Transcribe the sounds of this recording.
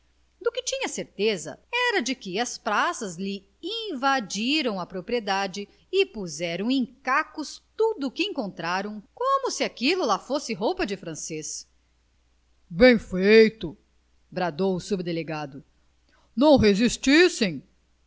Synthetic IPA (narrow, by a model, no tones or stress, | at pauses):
d̪ʊkɪt͡ʃĩɲɐseɾt̪ezɐ̰ɛɾɐd͡ʒɪkɪɐspɾasɐzlɪ | ĩvad͡ʒiɾɐ̃w̃ɐpɾopɾied̪ad͡ʒɪ | ɪpuzɛɾɐ̃w̃ẽj̃kakʊst̪ud̪ʊkɪẽŋkõnt̪ɾaɾɐ̃w̃kõmʊsɪakilʊlafosɪɦowpɐd͡ʒɪfɾɐ̃ses | bẽj̃fejt̪ʊ | bɾad̪owʊsubd̪eleɡad̪ʊ | nɐ̃w̃ɦezist͡ʃisẽj̃